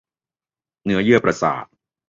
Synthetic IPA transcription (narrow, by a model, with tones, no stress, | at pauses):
nɯ˦˥ɐjɯ˥˩əpɾa˧sa̰ː˨˩t̪̚